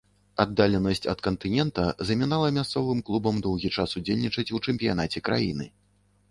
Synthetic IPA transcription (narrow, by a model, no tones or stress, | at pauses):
ad̪ːalʲɛnɐsʲt͡sʲɐ̰t̪kɐnt̪ɨnʲɛnt̪ɐzɐmʲɛnalˠɐmʲast̪sɔvɨmklˠubɐmd̪ɔwɣʲit͡ʂasud͡zʲelʲnʲit͡ʂɐt͡sʲut͡ʂɛmʲpʲija̰n̪at͡sʲɛkɾa̰jḭnɨ̰